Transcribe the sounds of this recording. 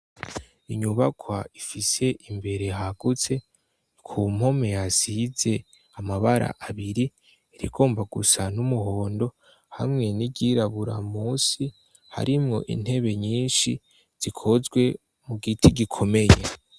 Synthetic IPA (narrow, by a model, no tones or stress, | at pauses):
iɲuβakʰwaifise̞ʔimbe̞ɾe̞ɦaɡ̥ut͡se̞ | kʰum̥ho̞me̞jazize̞ | amaβaɾa̰ʔaβiɾi | iɾḭɡ̥o̞ːmbaɡusanumuɦo̞ːndo̞ | ha̰mŋe̞niɟiɾaβuɾamuːsi | ha̰ɾimŋo̞ʔḭn̥he̞βe̞ɲiːnʃi | z̥ikʰo̞zɡwe̞ | muɡitiɡikʰo̞me̞je